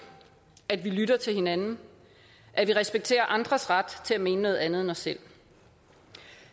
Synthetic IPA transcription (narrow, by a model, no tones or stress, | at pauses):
æd̥ʋilyɾ̥ɐt͡sʰe̝lhe̝nænn̩ | ʔæ̥ʋiʁɛsb̥eɡ̥̚t͡sʰe̝̰ːɐʔɑ̈nd̥ʁɐsʁɑ̈d̥t͡sʰe̝æme̝ːnənɔ̽ːð̩ˠænð̞ˠenɒ̽sːel̰